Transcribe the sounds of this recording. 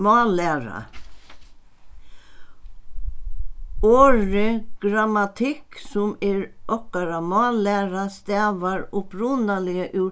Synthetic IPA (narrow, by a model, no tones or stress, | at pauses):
mɑːlɛːɾa̰ | oːɹɪɡ̥ɾamat̪ʰɪksʊmɛːɹʔɔkaɾamɑːlɛːɾast̪ɛːʋaɹʊpɾuːnalɪəʔʉː